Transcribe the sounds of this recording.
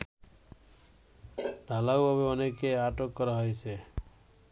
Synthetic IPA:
ɖʱalawɔbeɔnekeaʈokːɔɾaɦɔjt͡ʃʰe

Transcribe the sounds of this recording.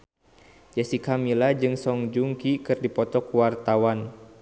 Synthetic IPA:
d͡ʒasikamilad͡ʒɨŋsɔŋd͡ʒuŋkikɨrdipɔt̪ɔkuwart̪awan

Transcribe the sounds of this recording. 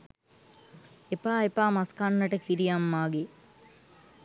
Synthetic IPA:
epaːepaːmaskanːəʈəkiɾijamːaːɡe

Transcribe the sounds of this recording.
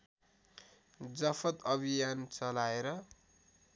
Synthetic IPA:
d͡zʌfʰʌt̪ʌbʱijant͡sʌlaeɾʌ

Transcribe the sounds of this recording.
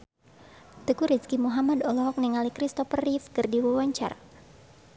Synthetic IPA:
t̪əkuɾiskimuɦamadɔlɔɦɔk̚niŋalikɾist̪ɔfərifkɨrdiwuwaɲt͡ʃa̰r

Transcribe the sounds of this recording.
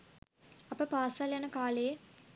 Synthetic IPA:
ɐpəpaːsaljanəkaːleje

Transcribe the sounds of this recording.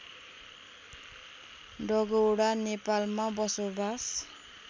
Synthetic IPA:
ɖɔɡoɽanepalmabɔsobas

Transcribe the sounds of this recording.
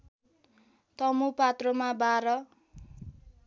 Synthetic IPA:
t̪ʌmupat̪rʌmabaɾʌ

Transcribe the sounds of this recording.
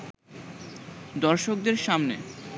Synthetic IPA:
d̪ɔɾʃok̚d̪eɾʃamne

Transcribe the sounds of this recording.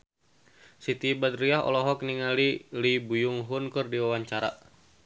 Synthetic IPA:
sit̪ibad̪ɾiaɦɔ̰lɔɦɔk̚niŋalilibujuŋɦunkɨrdiwawaɲt͡ʃaɾa̰

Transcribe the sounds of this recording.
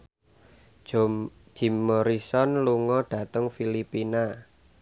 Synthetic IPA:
d̥ʒ̥i̤mːoɾisɔnluŋɔɖ̥ä̤t̪əŋfilipina

